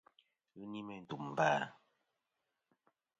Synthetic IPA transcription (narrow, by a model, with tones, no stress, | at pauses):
ni˦mɛ˨n̩˨tu˨m˨baː˦